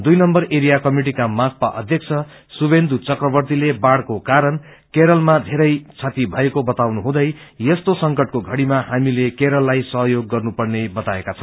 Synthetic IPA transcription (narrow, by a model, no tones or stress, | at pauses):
d̪ujnʌmbʌreɾijakʌmiʈ̬ikamak̚pa̰ʔʌ̰d̪ʱjʌk̚t͡sʰʌ | subend̪ʱut͡sʌkrʌbʌrt̪ilebaɽkokaɾʌn | keɾʌlmad̪ʱeɾʌjt͡sʰat̪ibʱʌekobʌt̪awnuɦũd̪ʌjjʌst̪osʌŋkʌʈ̚koɡʱʌɽimahamilekeɾʌlːajsʌɦjoɡːʌrnupʌrnebʌt̪aekat͡sʰʌ̃n